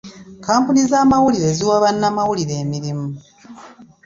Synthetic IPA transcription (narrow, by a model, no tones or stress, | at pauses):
kaːmpunizaːmawuliɾe̞ziwaːβanːamawuliɾe̞ːmiɾimu